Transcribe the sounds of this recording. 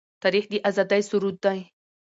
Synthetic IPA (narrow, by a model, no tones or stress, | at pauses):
t̪aɾixd̪iʔazad̪ajsʊɾud̪ːaj